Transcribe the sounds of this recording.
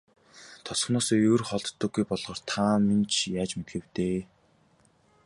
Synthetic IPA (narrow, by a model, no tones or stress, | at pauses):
t̪ʰɔsχnɔːsɔɵrχɔɮt̪ːə̆ɡːujpɔɮʁɔːrt̪ʰament͡ɕʰjaːt͡ɕmet̪xɘ̆w̥t̪eː